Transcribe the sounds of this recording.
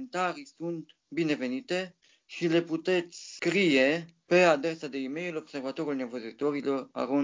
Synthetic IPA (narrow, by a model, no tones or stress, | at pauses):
nt̪aɾisunt̪ | bine̞ve̞nit̪e̞ | ʃile̞put̪e̞t̪sʲskɾije̞ | pe̞ad̪ɾesad̪e̞ime̞julo̞bse̞rvat̪o̞ɾulnevozit̪o̞ɾilo̞ra̰ɾo